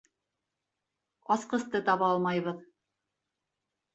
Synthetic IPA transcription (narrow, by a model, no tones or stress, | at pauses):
ɑsqɤ̆st̪ɤt̪ɑβɑlˠmɑjβɤð